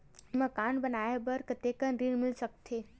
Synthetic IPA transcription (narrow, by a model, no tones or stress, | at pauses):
məkanbənaːebəɾkət̪ekənɾiɽmɪlsək̚t̪ʰeː